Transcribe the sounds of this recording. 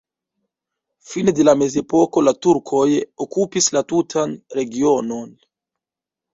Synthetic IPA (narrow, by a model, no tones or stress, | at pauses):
finedelame̞ze̞po̞ko̞latuɾkʰojokupislatutʰanɾe̞ɡio̞no̞n